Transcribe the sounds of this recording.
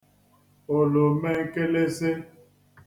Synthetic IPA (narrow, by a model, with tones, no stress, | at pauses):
o˨lo˨mɛ˦ŋ˦ke˦le˦se˦